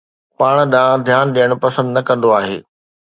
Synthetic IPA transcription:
paːɽ̃ɗãːd̪ʱjaːnɗijəɽ̃pɐsə̃nd̪nɐkɐ̃nd̪oaːɦḛː

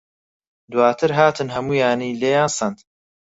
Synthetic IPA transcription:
d̪waːt̪ʰɨɾɦaːt̪ʰɨnɦɐmuːjaːniːleːjaːnsɐnd̪

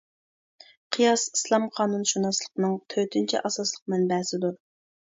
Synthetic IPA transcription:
qʰɨjɑsislˠɑmqʰɑːnunʃunɑslˠəqnɨŋt̪ʰøt̪ʰynt͡ʃʰɛ̰ʔɑsɑslˠəq̚mɛnbɛsɪd̪u

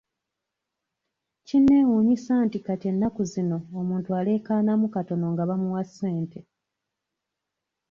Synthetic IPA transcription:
cinːe̞ːwuɲisaːntikate̞nːakuzino̞ːmuːntuale̞ːkaːnamukato̞no̞ŋɡaβamuwasːe̞ːnte̞

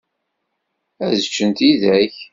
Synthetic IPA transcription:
æzət͡ʃːənt̪iðæç

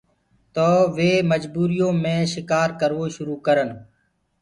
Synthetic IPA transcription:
t̪oːʋeːməd͡ʒbuːɾɪjõːmẽːʃɪkaːɾkəɾʋoːʃʊɾuːkəɾən

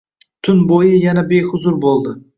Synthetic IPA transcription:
t̪ʰʊnbojɪjanabe̞jhʊzʊɾbolˠd̪ɪ

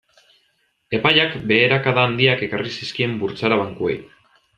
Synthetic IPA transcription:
e̞pajakbe̞ːɾakaðaːnd̪iake̞karisiskie̞mbuɾt͡saɾaβ̞aŋkue̞̰j

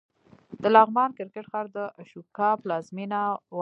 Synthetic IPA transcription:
d̪̥əlɑɣmɑnkɪɾkɪʈxɑɾd̪əʔaʃukɑplɑzminaw

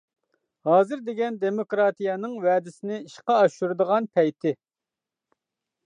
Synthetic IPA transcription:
hɑːzɨɾd̪eɡʲɛnd̪emokɾɑːt̪ijɑnɨŋwɛːd̪ɪsɪnɪiʃqɑːʃuɾɨd̪əʁɑnpʰɛjt̪ʰɪ

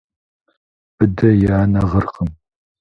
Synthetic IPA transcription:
b̥ɨdɐjaaːnɐʁərχəm

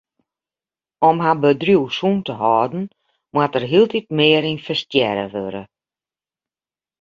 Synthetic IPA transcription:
ɔmɦabədrjuwsuntəɦɔːdn̩ | mwatərɦiəlˠtʰit̚mɪəɾinfəstjɛɾə̰ʋøɾə̰

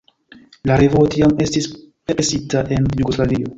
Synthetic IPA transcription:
laɾevotiame̞stis | peɾesitaʔe̞njuɡoslavio̞

